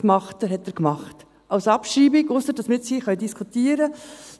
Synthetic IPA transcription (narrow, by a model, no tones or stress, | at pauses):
kmɑχtəɦɛtəːɾkmɑχt | ʔɑwsɑpʃɾiːbɪɡʊsəɾdɑsmɪtsiːχœjdiskʰutiːəɾə